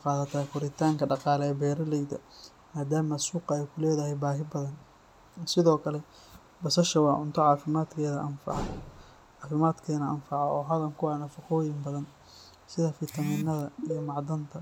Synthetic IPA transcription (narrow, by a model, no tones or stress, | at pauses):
qɑːðɐt̪ʰaːkʰʊɾɪt̪ʰaːŋkʰɐɖɑqɑːlɛɛːbɛːɾɐlɛjd̪ɐ | maːd̪aːmɐsuːqɑɛjkʰʊlɛːðɐɦɛjbaːɦɪbɐðɐn | sɪðɔːkʰɐlɛ | bɐsɐʃɐwɑːʕʊnt̪ʰɔʕɑːfɪmaːd̪kʰɛːðɐʔɐnfɑ̰ʕ | ʕɑːfɪmaːd̪kʰɛːnɐʔɐnfɑʕɔɔːɦɐðɐŋkʰʊwaːnɐfɐqɔːjɪmbɐðɐn | sɪðɐfɪt̪ʰɐmɪnːɐðɐijɔmɑʕd̪ɐnt̪ʰɐ